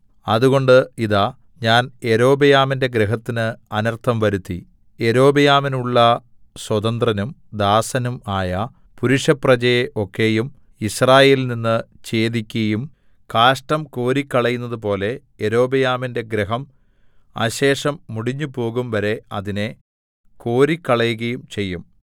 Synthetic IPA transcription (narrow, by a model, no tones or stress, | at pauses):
ɐðuɣo̞ɳɖɨiðaː | ɲaːneɾo̞ːbɐjaːminde̞ɡɾeɦɐt̪ːinɨɐnɐrt̪ʰːɐmʋɐɾut̪ːḭ | eɾo̞ːbɐjaːminuɭːɐ | swɐðɐnd̪rɐnumd̪aːsɐnumaːjɐ | puɾuʂɐprɐt͡ɕɐjeʔo̞kːe̞jum | israːje̞ːlninːɨt͡ɕe̞ːd̪ikʲːɐjum | kaːʂʈɐmko̞ːɾikʲːɐɭɐjunːɐðup̬o̞ːle̞ | eɾo̞ːbɐjaːminde̞ɡɾeɦɐm | a̰ɕe̞ːʂɐmːuɽiɲːupo̞ːɣumʋɐɾe̞ɐðine̞ | ko̞ːɾikʲːɐɭɐjuɣɐjumt͡ɕe̞jːum